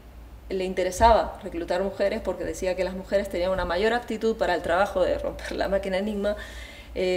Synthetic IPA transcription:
le̞int̪e̞ɾe̞saβare̞klut̪aɾmuxe̞ɾe̞spo̞ɾke̞ðe̞siake̞lazmuxe̞ɾest̪e̞niaŋunamaʝo̞ɾap̚t̪it̪uðpaɾaelt̪ɾaβ̞axo̞ðḛro̞̰mpe̞ɾla̰makinaeniɣma | e

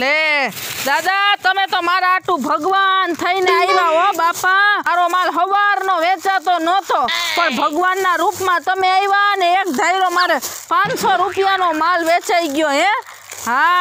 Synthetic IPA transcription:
led̪ad̪at̪əmet̪omaɾaaʈũbʱəɡʋant̪ʰəineaiʋaɦobapaaɾomalɦəʋaɾnoʋet͡ʃat̪onət̪ʰopəɳbʱəɡʋanːaɾupmãt̪əmeaiʋaəneekd̪ʱaiɾomaɾepãt͡ʃsoɾupijanomalʋet͡ʃaiɡjoɦẽ | ɦa

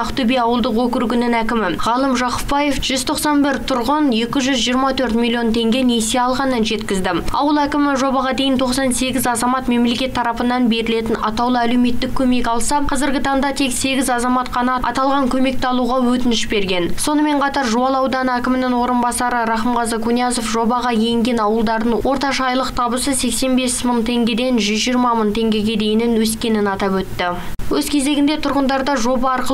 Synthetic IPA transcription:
ɑqt̪ɵbejɑwəlˠd̪əqwɵkʲɪɾɡʲɪnɪnækʲɪmɪʁɑlˠəmʒɑqʊ̥pbɑjefʒ̥ʏzt̪ʰo̞qsɑnbɪɾt̪ʰʊɾʁənje̞kʲɪʒʏzʒijəɾmɑt̪ʰɵɾt̪mʲilʲˠijo̞nt̪ʰe̞ŋɡʲe̞neseɑlˠʁɑnənʒe̞t̪kʲɪzd̪ɪɑ̰wəlˠækʲɪmɪʒo̞bɑʁɑd̪e̞jɪnt̪ʰo̞qsɑnse̞ɡʲɪzɑzɑmɑt̪me̞mle̞kʲe̞t̪ʰːɑɾɑpənɑnbe̞ɾɪle̞t̪ɪnɑ̰t̪ɑwlˠəælewme̞t̪ːɪkʲʰːɵme̞kɑlˠsɑqʰɑzɪɾɡʲɪt̪ʰɑɴd̪ɑt̪ʰe̞kse̞ɡʲɪzɑzɑmɑt̪qʰɑnɑɑ̰t̪ɑlˠʁɑŋkʲʰɵme̞k̚t̪ɑlˠuʁɑwɵt̪ɪnɪʃbe̞ɾɡʲe̞nso̞nəme̞ɴqʰɑt̪ɑɾʒuɑlˠɑwd̪ɑnækʲɪmɪnɪŋwo̞ɾənbɑsɑɾəɾɑχəmʁɑzəqʰunijɑso̞fʒo̞bɑʁɑjeŋɡʲe̞nɑwəlˠd̪ɑɾd̪ənwo̞ɾt̪ɑʃɑjlˠəqt̪ʰɑbəsəse̞kse̞nbe̞sməɴt̪ʰe̞ŋɡʲe̞d̪e̞jnʒʏzʒijɾmɑməɴt̪ʰe̞ŋɡʲe̞ɡʲe̞d̪e̞jɪnɪnwɵskʲe̞nɪnɑt̪ɑpwɵt̪ːɪwɵzkʲʰe̞ze̞ɡʲɪnd̪e̞t̪ʰʊɾʁənd̪ɑɾd̪ɑʒo̞bɑːɾqə

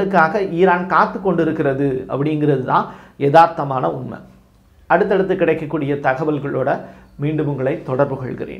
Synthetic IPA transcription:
ɯkːaːɣɐʔiːɾaːnkaːt̪ːɯkːɔɳɖɪɾɯkːɪɾɐðɯɐ̰pːɐɽɪŋɡɪrɐðɯt̪ã̰ːnjɛðaːɾt̪ːɐmaːnɐʊnmɐ̰ | ɐɽɯt̪ːɐɽɐt̪ːɯkːɪɽɐɪkːɐkːuːɽɪjɐt̪ɐɣɐʋɐlɣɐɭoːɽɐmiːɳɖɯmɯŋɡɐɭɐɪt̪ːɔɽɐɾbɯkɔ̰ɭɣɪ̰rḛːn

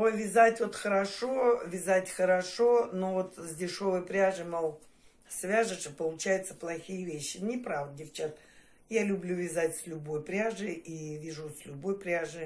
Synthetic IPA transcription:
ojvʲɪzatʲvo̞t̪xəɾɐʂovʲɪzatʲxəɾɐʂo̞novo̞t̪zʲdʲɪʂo̞vəjpɾʲaʐɨmalˠ | sʲvʲaʐɨʂɨpəlˠʊt͡ɕæjɪt̪sə̥plˠɐxʲijəvʲeɕːɪnʲɪpɾavd̪dʲɪft͡ɕat̪ | jalʲʊblʲuvʲɪzatʲsʲlʲʊbo̞jpɾʲaʐɨʔivʲiʐusʲlʲʊbo̞jpɾʲaʐɨ

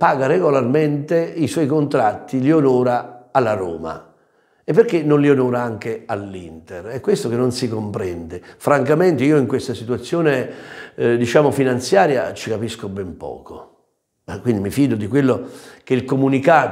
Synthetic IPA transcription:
paːɡareɡolarment̪eiswɔjkont̪ɾat̪ːilionɔːɾaalːaɾɔ̰ːma̰ | ɛpːerk̟ːenːonlionɔːɾaaŋk̟ealːint̪erɛkːwest̪okenːonsikompɾɛnd̪efɾaŋkament̪eiːoiŋkwest̪asit̪uwat̪sːjoːne | d̪it͡ʃaːmofinant̪sjaːɾja̰t͡ʃikapiskobɛmpɔ̰ːko | kːwind̪imifiːd̪od̪ikwelːok̟eilkomunikaːt̪

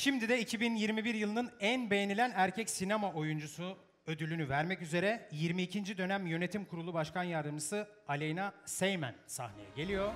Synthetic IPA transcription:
ʃimd̪id̪ɛicʰibinjiɾmibiɾjɯlˠɯnɯnænbe̞jenilʲænæɾcʰɛcsinamaʔo̞jund͡ʒusu | ø̞d̪ylʲynyvæɾmɛcyze̞ɾɛjiɾmiːcʰind͡ʒid̪ø̞næmjø̞ne̞t̪ʰimkʰuɾulˠubaʃkanjaɾd̪ɯmd͡ʒɯsɯ | alʲejnasejmæ̰nsa̰hne̞jɛ̰ɟe̞lʲijo̞

